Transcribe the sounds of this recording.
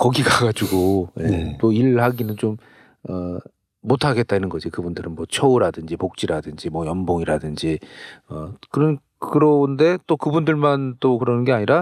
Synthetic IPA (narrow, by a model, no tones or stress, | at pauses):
kʌɡiɡaɡad͡ʑuɡojet͈oiɭhaɡinɯnt͡ɕom | ʌː | otʰaɡe̞t̚t͈ainɯnɡʌd͡ʑikɯbundɯɾɯnmwʌt͡ɕʰʌuɾadɯnd͡ʑipok̚t͡ɕ͈iɾadɯnd͡ʑimwʌjʌnboŋiɾadɯnd͡ʑiʌkɯɾʌn | kɯɾʌnde̞t͈okɯbundɯɭmant͈okɯɾʌnɯnɡe̞aɲiɾa